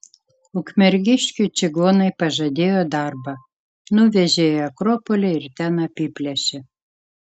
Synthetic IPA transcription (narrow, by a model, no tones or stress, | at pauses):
ʊkmʲɛɾʲɡʲɪʃʲkʲut͡ʃʲɪɡoːnɐɪpɐʒɐd̪ʲeːjod̪ɑrbɐ | nʊʋʲɛʒʲeːjoɐkɾopolʲeɪɾt̪ʲænɐpʲipʲlʲɛʃʲɪ